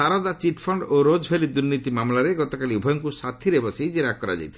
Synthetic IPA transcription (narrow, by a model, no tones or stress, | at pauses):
aɾɔd̪at͡ʃiʈpʰɔɳɖoɾod͡ʒɦelid̪uɾnit̪imamlaɾeɡɔt̪ɔkaliubʱɔjɔŋkusat̪ʰiɾebɔsejd͡ʒeɾakɔɾa̰d͡ʒa̰jt̪ʰ